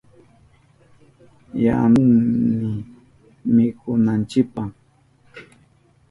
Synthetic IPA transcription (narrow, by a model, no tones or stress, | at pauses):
ja̰nʊŋmɪ | mɪkʊnant͡ʃɪk̚pa